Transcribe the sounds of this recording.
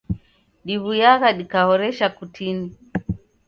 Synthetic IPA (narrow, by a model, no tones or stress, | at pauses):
ɗiβujaɣaɗikahɔɾɛʃakutʰini